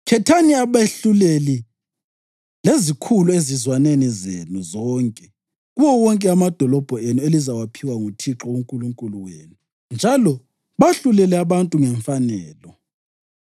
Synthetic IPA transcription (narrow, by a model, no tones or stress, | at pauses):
kʰɛtʰaniaβeɬuleli | lezikʰuluezizwanenizḛnuzɔːŋkʼɛ | ɣuwɔwɔŋkʼɛamad̥ʱɔlɔb̥ʱɔenuelizawapʰiwaŋutʰiǁɔuŋkʼuluŋkʼuluweːnu | nd͡ʒʱalɔ | βaɬulɛlɛaβantʼuŋɛɱfanɛːlɔ